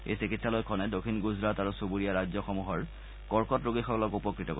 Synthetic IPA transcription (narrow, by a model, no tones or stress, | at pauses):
ḛjsikitsalɔjkʰɔnɛdokʰinɡuzɹataɹusobuɹijaɹazɔxɔmuɦɔɹ | kɔɹkɔtɹoɡixɔkɔlɔkupɔkɹitɔko